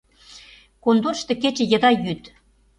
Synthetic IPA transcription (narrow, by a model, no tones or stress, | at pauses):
kond̪onʃt̪ɤ̆ket͡ɕĕjə̆d̪ɑjyt̪